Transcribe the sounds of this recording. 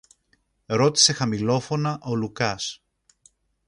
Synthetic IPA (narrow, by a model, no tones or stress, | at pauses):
ɾo̞t̪i̥se̞xɐmilo̞fo̞nɐʔo̞lukɐs